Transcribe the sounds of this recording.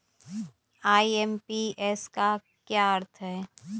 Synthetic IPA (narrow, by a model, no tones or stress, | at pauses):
aːiɛmpiɛːska | kjaəɾt̪ʰɦɛː